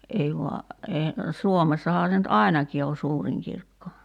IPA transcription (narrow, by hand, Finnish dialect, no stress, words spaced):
ʔei ʋoɑ eː suomesːɑhɑː se nyt ʔɑˑi̞nɑki o suːriŋ kirkːo